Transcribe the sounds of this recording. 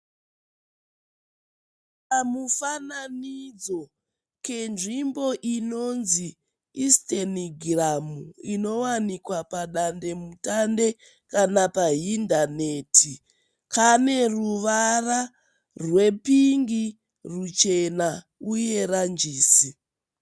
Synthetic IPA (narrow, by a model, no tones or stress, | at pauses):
pamufananid͡zo̞ | ke̞nʐimbo̞ʔino̞nzi | isteniɡʱramuino̞wanikwapaɗande̞mutande̞ | kanapaɦindane̞tʰi | kʰane̞ruʋara | rwe̞piŋɡi | rut͡ʃe̞na | uje̞rand͡ʒiːsi